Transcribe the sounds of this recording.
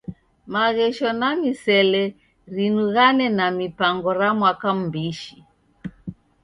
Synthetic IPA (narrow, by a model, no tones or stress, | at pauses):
maɣɛʃɔnamisɛlɛ | ɾinuɣanɛnamipaŋɡɔɾamwakam̩biʃi